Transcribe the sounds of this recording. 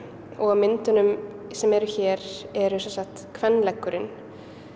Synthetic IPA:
ɔɣamɪnt̪ʏnʏmsɛmɛɾʏçɛːɾɛɾʏsɛnsaxt̪kʰvɛnːlɛkːʏɾɪn

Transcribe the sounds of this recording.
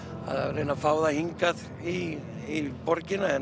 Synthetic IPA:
a̰ða̰ɾenːafaːwðahiŋkað | i | ipɔɾcɪnaɛn

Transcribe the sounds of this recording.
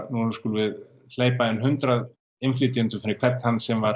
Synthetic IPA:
nuskuːlʏvɪð | l̥eːjpaɛnɦʏnt̪ɾað | ɪmfliːt̪jɪnt̪ʏfɪɾɪkʰvɛt̪hanːsɛmvaɾ

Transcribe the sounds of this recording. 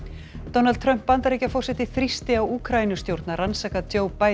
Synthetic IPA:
t̪ownalt̪ʰɾœm̥pːant̪aɾijcafɔr̥sɛht̪ɪθɾist̪ɪawuːkʰɾainʏst̪jowɾt̪naransaːkat̪ʰjoːwpaː

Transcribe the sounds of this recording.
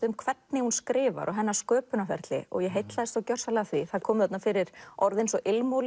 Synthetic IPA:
ʏmkʰvɛt̪̚nɪhunskɾɪːva̰ɾʔɔɦɛnːḁskœːpʏnafɛ̰ɾt̪lɪ̰ɔ̰ɣjɛɦejt̪laðɛst̪awcœr̥salɛɣaθviθaðkʰɔːmθɛt̪nafɪɾɪɾ̥ɔɾðɪnsɔʔɪlmowl

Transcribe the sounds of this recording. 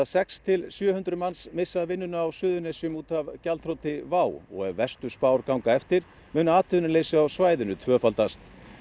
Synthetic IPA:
sɛkst̪ʰɪlsjœːhʏnt̪ɾʏmansmɪsːaðvɪnːʏnʏawsʏːðʏnesjʏmuːt̪avcalt̪ʰɾowt̪ɪvaːwɔ̰ɣɛvvɛst̪ʏspaːwɾkawŋkaɛft̪ɪɾ̥ | mʏːnʏaːt̪ʏʏnʏlejsɪawsvaːjðɪnʏt̪ʰvœːfalt̪ast̪

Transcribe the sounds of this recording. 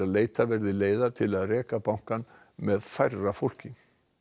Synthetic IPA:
aleːjt̪avɛɾðɪleːjðat̪ʰɪlaðrɛːkapawŋ̥kan | mɛðfajrːafowl̥cɪ

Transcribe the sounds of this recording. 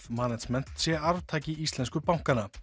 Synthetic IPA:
manad͡ʒmɛn̥t̪sjɛaɾvt̪ʰaːcɪist̪lɛnskʏpawŋ̥kana

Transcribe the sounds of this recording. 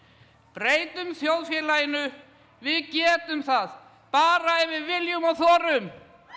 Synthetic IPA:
pɾeːjt̪ʏmθjowðfjɛːlajɪnʏ | vɪðcɛːt̪ʏmθað | paːɾaɛvɪðvɪljʏmawθɔːɾʏm

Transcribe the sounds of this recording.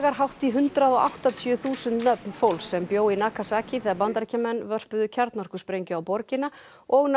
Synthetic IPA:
ɣaɾ̥ɦawht̪iɦʏnt̪ɾaðɔʔa̰wht̪at̪ʰjʏθuːsʏnt̪nœpnfowlsːɛmpjoːwinaːkʰasaːcɪθɛːɣaɾpant̪aɾcamɛnːvœr̥pʏðʏcʰaɾt̪nɔr̥kʏspɾejɲcʏawpɔɾcɪna | ɔɣn

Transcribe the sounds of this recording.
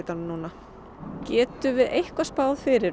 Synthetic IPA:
t̪anmnuːna | cɛːt̪ʏvɪðejhkvaspaːwðfɪɾɪ

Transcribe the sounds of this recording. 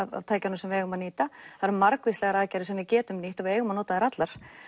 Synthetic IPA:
ava̰v̥t̪ʰaːjcanʏmsɛmvɪɛːjɣʏmaðniːt̪aθaɾɪɾmaɾkvislɛɣaɾaðcɛjɾɪsɛmvɪðcɛːt̪ʏmniht̪aveːjɣʏmanoːt̪aðɛɾat̪laɾ̥

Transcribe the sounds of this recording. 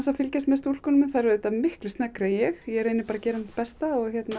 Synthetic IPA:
nsafɪlcast̪mɛst̪uːlskɔnmɪnθaɛɾðːt̪amɪhklɪst̪nɛkɾajɛxjɛɾeːjnɪpaːɾacɛːɾanpɛst̪aɔɣçjɛt̪na

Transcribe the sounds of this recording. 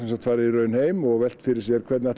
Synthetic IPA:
ɛnsat̪faːɾɪirœːɥnheːjmɔɣvɛl̥t̪fɪɾɪɾ̥sjɛɾ̥kʰvɛɾt̪naɛt̪

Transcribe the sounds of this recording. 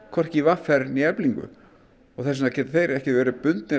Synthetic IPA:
kʰɔɾ̥cɪvafɛɾniɛpliŋkʏ̰ | ɔɣθɛs̬nacɛːt̪ɪθejɾɛhcɪvɛːɾɪpʏnt̪nɪ

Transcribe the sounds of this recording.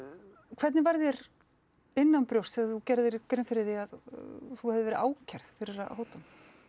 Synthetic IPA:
kʰvɛɾt̪nɪvaɾðjɛɾ | ɪnːanpɾjowst̪ɛɣaθucɛɾðɪɾkɾɪnfɪɾɪɾðiaðθuhɛvðɪvɛːɾɪʔaːwcʰɛɾ̥ð̥fɪɾɪɾa̰hoːwt̪am

